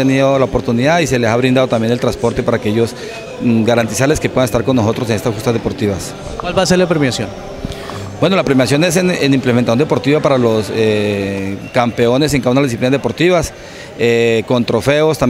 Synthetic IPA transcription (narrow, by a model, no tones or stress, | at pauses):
eniðolaopo̞ɾt̪uniðaðise̞lesaβɾind̪aðo̞t̪amje̞nelt̪ɾanspoɾt̪e̞paɾaːkee̞ʝo̞s | ɡaɾant̪isaɾle̞skepwe̞ðanest̪aɾko̞nːoso̞t̪ɾosene̞st̪asxust̪azðe̞po̞ɾt̪iβas | kwalβaːseɾlapɾemjasjon | bwe̞no̞lapɾemjasjo̞ne̞s̬enenimplement̪asjond̪epo̞ɾt̪iβapaɾalo̞se | kampe̞o̞ne̞s̬eŋkawunalzðisiplinazðepo̞ɾt̪iβas | eko̞nt̪ɾo̞fe̞ost̪am